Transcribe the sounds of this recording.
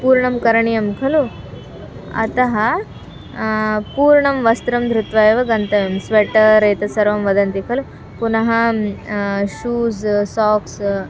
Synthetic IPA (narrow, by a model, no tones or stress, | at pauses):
puːɾɳɐmkɐɾɐɳijɐmkʰɐlu | ɐ̰t̪ɐɦɐ | puːɾɳɐmʋɐst̪ɾɐmd̪ʱɾut̪ʋaːjʋɐɡɐnt̪ɐʋɐmsʋeʈɐɾeːt̪ɐsɐɾʋɐmʋɐd̪ɐnt̪ikʰɐlu | punɐɦɐ | ʃuːzsaːks